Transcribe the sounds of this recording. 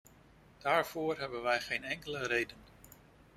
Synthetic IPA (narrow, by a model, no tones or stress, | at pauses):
d̥aːɹv̥oːrɦɛbənʋɛjχejnɛŋkələɾejdən